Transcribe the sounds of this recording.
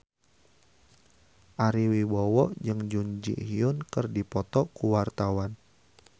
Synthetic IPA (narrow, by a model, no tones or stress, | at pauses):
ʔaɾiwibɔwɔʔd͡ʒɨŋd͡ʒuɲd͡ʒḭʔhiʊnkɨrdipɔt̪ɔkuwart̪awan